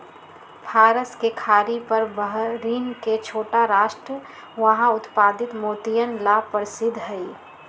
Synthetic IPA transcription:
pʰaːɾəskekʰaːɾipɐɾbəɦɾiːnket͡ʃʰoːʈaɾaːʃʈɾə | ʋɐɦãʊt̪paːd̪ɪt̪moːt̪ijənlapəɾsɪd̪ʱɦɛi

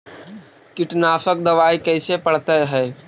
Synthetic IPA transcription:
kɪʈnaːsək̚d̪ɐʋaːikɛːsepəɽ̤t̪eɦɛː

